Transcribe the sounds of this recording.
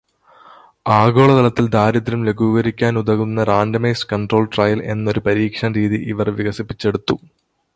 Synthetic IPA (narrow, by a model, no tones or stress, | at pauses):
aːɣo̞ːɭɐt̪ɐlɐt̪ːild̪ʱaːɾɐt̪ːɾɐmleɡʱuːɣɐɾikʲːaːnud̪ɐɣunːɐɾaːɳɖɐmeːskɐɳɖro̞ːlʈrɐjɐle̞̰nːo̞ɾupɐɾiːkʂɐmɾiːðiʔiʋɐrʋiɣɐsipːit͡ɕːe̞ɽut̪ːu